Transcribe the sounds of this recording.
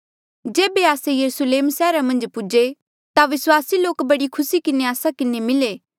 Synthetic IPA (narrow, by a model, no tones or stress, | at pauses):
d͡ʒeːbeaːsejɐɾusəleːmsɛːɾamɐ̃nd͡ʒpʊd͡ʒe | t̪aʋɪswaːsiloːkbɐɽikʰʊsikɪneaːsakɪnemɪleː